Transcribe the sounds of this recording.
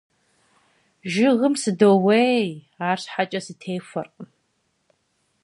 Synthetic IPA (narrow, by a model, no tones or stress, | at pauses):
ʒɪʁəmsɨdowej | aːrɕħat͡ʃʼɐsɨtʰeːfɐrqʼə